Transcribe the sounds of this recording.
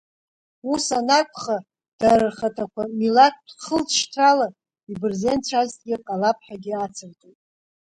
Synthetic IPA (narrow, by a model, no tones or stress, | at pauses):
usanakʷʰʼχa | d̥arɨrχatʰakʷamilak̚ʰχəlt͡sʰʼʃtʰrala | ibɨrzent͡ɕʷʰaztʼɡʲɪqʼalapʰʼħaɡʲiat͡sʰɨrtʼojtʼ